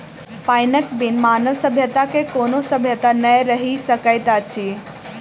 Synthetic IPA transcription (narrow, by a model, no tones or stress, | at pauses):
pajnəkbinmaːnəʋsəbʱjət̪akekonosəbʱjət̪anəjɾəɦisəkəjt̪at͡ʃʰi